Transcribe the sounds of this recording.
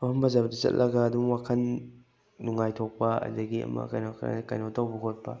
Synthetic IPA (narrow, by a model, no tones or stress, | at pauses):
ahɐmbɐzabɐdɐt͡ʃɐ̰t̚lʔɐɡɐːdumwakʰɐnː | uŋajtʰok̚pɐɐ̰dɐɡiɐ̰mɐ̰kajno̰kajnotawbɐkʰot̚pɐ̰